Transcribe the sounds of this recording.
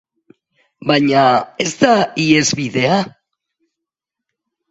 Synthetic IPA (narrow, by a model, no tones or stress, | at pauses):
baɲae̞zt̪aie̞zβiðe̞a